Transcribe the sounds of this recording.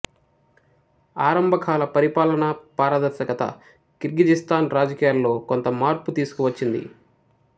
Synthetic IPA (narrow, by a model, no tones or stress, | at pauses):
aːɾɐmbʱɐkʰaːlɐpɐɾipaːlɐnɐpaːɾɐd̪ɐɾʃɐkɐt̪ɐ̰ | kiɾɡid͡ʒist̪aːnɾaːd͡ʒɐkiːjaːlːo̞ːkont̪ɐmaːɾput̪iːsu̥kuʋɐt͡ʃːind̪ḭ